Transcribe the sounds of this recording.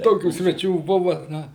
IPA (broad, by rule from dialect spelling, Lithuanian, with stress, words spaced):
ˈtoːkʲuː sʲʋʲɛˈt͡ʃʲuː ˈbʊʋɐ ˈnɐ